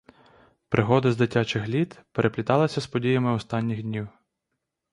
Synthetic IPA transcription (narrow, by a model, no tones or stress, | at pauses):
pɾʔɪɦɔd̪ɐzd̪ɪtʲat͡ʃɪxlʲit̪peɾʔeplʲit̪ɑlˠɐsʲɐspɔdʲijɐmɪɔst̪ɑnʲːixdʲnʲiw